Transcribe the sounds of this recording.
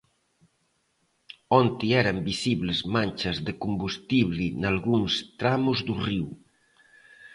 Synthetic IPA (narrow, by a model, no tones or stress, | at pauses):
ɔnt̪iɛɾɐmbisiβlɪzmanʲt͡ʃɐzðɪkumbust̪iβlinalɣuŋst̪ɾamuzðuriw